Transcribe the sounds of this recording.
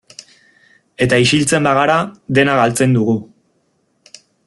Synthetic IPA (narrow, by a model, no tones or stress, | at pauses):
e̞t̪aisilt͡se̞mbaɣ̞aɾaðe̞naɣalt͡se̞nd̪uɣu